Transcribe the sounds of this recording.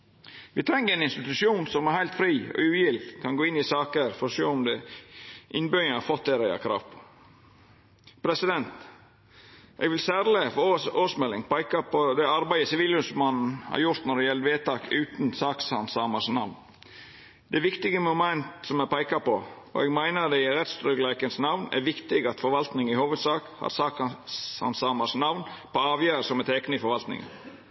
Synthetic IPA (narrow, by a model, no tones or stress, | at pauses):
ʋɪt̪ʰɾɛŋːəɾɛɪnɪnst̪ɪt̪ʉʃuːnsɔmæɾhæɪlt̪fɾiːɔ̰ʉːjɪlkʰɑnɡoːɪnːɪsɑːkəɾfɔɾɔʂoːɔmd̪ɛ | ʔɪnbœɑfɔt̪̚d̪ɛːɾæɪɑ̰kʰɾɑ̰ːʋpʰɔ̥ | pʰɾɛsɪd̪ɛnt̪ | ʔɛ̰ɡʋɪlsæːɾlɪfoːsmɛlːɪŋpʰæɪkɑpɔd̪ɛɑɾbæɪəsɪʋiːlʉsmɑnn̩hɑ̰ɾjʊɾt̪nɔɾɖ̪ɛjɛləʋeːt̪ɑːkʉːt̪nsɑːkshɑnsɑːmɑʂnɑʋn | d̪̥ɛʋɪkt̪ɪɡəmʊmɛnt̪sɔmæpæɪkɑpɔ | ɔ̰ɛɡmæɪnəɾd̪ɛɪɾɛt̪st̪ɾʏɡlækənsnɑʋnæ̰ɾʋɪkt̪ɪɡɑt̪fɔɾʋɑlt̪nɪŋɪhoːʋəd̪sɑːkhɑ̰ɾsɑːkhɑ̰nsɑːmɑsnɑʋnpʰɔɑːʋjæːɾsɔmɛt̪ʰɛknəɪfɔɾʋɑlt̪nɪ̰ŋə̰n